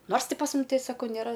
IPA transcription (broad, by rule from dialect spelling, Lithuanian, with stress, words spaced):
ˈnoːrs ˈtʲɪ pɐs ˈmʊm ˈtʲɛɪ ˈsɑːkɐʊ nʲeːˈrɐ